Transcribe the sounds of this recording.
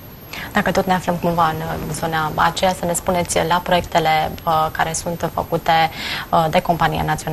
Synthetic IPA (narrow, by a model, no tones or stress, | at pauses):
d̪̥akət̪ot̪ne̞afləmkumvaɨnzo̞naa̰t͡ʃe̞jasəne̞spune̞t̪sʲlapɾo̞jek̚t̪ele̞kaɾe̞sunt̪fə̰kut̪e̞d̪e̞ko̞mpanija̰nat̪sio̞na